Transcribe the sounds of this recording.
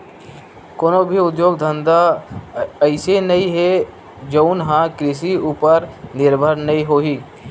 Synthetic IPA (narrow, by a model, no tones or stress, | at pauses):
koːnobʱiʊd̪joːɡd̪ʱə̃nd̪a | əɪsenɐĩɦe | d͡ʒoʊnɦãkɾɪs̬iuːpəɾnɪɾbʱəɾnɐɦĩɦoːɦiː